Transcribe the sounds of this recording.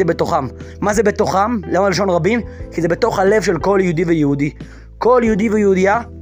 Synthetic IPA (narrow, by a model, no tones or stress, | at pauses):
ebe̞t̪oχamːazebe̞t̪oχamleomaliʃ̬o̞nʁabimkizebe̞t̪o̞χhale̞vʃe̞lko̞ljehud̪ivejehud̪i | ko̞ljehud̪ivejeud̪ija